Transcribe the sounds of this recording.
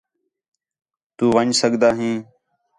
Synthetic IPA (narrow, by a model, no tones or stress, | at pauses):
t̪uːʋəɲd͡ʒsəɠd̪aːɦĩː